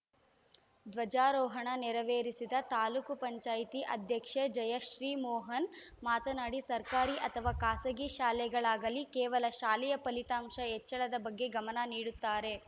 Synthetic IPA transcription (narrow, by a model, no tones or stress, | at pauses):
d̪ʋɐd͡ʒaːɾɔːɦɐɳɐnɛɾɐʋeːɾisid̪ɐt̪aːluːkupɐɲt͡ʃaːjit̪iʔɐd̪ʱjɐkʂɐd͡ʒɐjɐʃɾiːmɔːɦɐn | maːt̪ɐnaːɽisɐɾkaːɾiʔɐt̪ʰɐʋaːkaːsɐɡiʃaːlɛɡɐɭaːɡɐlikeːʋɐlɐʃaːlɛjɐpɐlit̪aːmʃɐɦɛt͡ʃːɐɭɐd̪ɐbɐɡːe̞ɡɐmɐnɐniːɽut̪ːaːɾe̞